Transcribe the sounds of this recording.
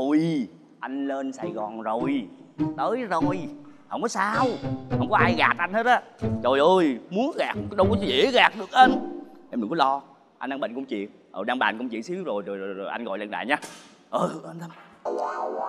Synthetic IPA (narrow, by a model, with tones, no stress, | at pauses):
o˨˩j | ʔa˧jŋle˧nsaː˨˩jɣɔ˨˩nzo˨˩jt̪əː˨˦jzo˨˩jhə˧˩wŋ͡mkɔ˨˦saː˧whə˧˩wŋ͡mkɔ˨˦ʔaː˧jɣaː˨˩t̚ʔa˧jn̟he˦˥t̚ʔaː˨˦t͡ɕo˨˩jʔəː˧˩jmu˨˦ənɣaː˨˩k̚ɗə˧wkɔ˨˦˨zḭ˧˨˦ɣaː˨˩k̚ɗɨ˨˩ək̚ʔəː˧nʔɛ˧mɨ˨˩ŋkɔ˨˦lɔ˧ | ʔa˧nʔaː˧ŋɓə̰˧˨nkʊ˧ŋ͡mt͡ɕḭ˧˨ən | ʔəː˨˩ɗaː˧ŋɓa̰ː˧˨nkə˧ŋ͡mt͡ɕḭ˧˨ənsi˨˦əwzo˨˩jzo˨˩jzo˨˩jzo˨˩jʔa˧nŋ̟ɣɔ̰˨jlə̰˧˨˩nɗa̰ː˧˨ɲaː˧˦ | ʔəː˧˩˨ʔə˧nt̪ʰə˧˦m